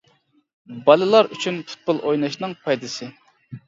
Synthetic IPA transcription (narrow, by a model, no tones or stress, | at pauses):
bɑlˠɨlˠɑɾy̰t͡ʃʰynpʰʊ̥t̪̚pʊlˠʔojnɑʃnɨŋpʰɑjd̪ɨsɨ